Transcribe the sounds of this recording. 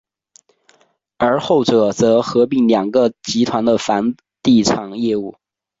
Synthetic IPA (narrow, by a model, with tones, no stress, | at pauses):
ə˞˧˥xo˥˩ʊʈ͡ʂɤ˨˩˦t͡sɤ˧˥xɤ˧˥pi˥˩ŋljɑ˨˩ŋɡə˧t͡ɕi˧˥t̪ʰwa˧˥nd̪ə˧fa˧˥n | t̪i˥˩ʈ͡ʂʰɑ˨˩ŋjɛ˥˧u˥˩